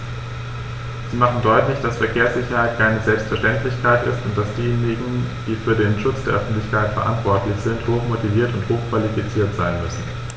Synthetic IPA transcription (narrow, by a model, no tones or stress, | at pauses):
z̥iːmaχn̩dɔʏtlɪçd̥asfɛɐkʰeːɐsz̥ɪçɐhaɪt̚kʰaɪnəzɛlpstfɛɐʃtɛntlɪçkʰaɪtɪ̰stʊnt̚d̥asd̥iːjeːnɪɡŋ̩d̥iːfyːɐdeːnʃʊt͡sd̥eːɐʔœfn̩tlɪçkaɪtfɛɐʔa̰ntv̥ɔɐtlɪçz̥ɪnthoːxmotiviːɐtʊnthoːxkv̥alifit͡siːɐtz̥aɪnmʏsn̩